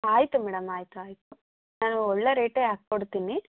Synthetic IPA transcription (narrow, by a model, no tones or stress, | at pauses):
aːjit̪umɛːɽɐmaːjit̪uaːjit̪u | naːnuɔɭːeɾeːʈeːaːkkːoɽt̪iːni